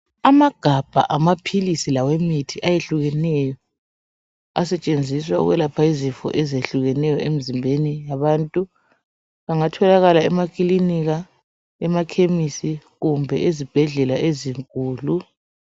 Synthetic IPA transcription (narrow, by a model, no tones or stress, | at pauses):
amaɡ̥ʱab̥ʱa̰ʔamapʰilisilawemitʰiʔajeɬuɣɛnɛjɔ | asɛt͡ʃʼend͡zʱiswaṵɣwɛlapʰaizifɔ̰ʔɛzeɬuɣɛnɛjɔem̩zimbʱenijaβantʼu | βaŋatʰɔlaɣalaɛmakʼiliniɣa | ɛmakʰemisiɣumbʱɛ̰ʔezib̥ʱɛɮɛlaʔeziŋkʼuːlu